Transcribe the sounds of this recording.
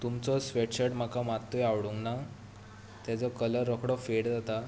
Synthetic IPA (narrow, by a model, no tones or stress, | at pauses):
t̪umt͡sɔsʋeʈɕəʈm̤akamat̪ːɔjawɽuŋɡna | t̪jat͡sɔkələɾːɔkʰɽɔfeɽd͡zat̪a